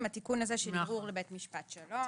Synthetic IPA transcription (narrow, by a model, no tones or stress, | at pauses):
mhat̪ikunazeʃenvuʁlebetmiʃpatʃalo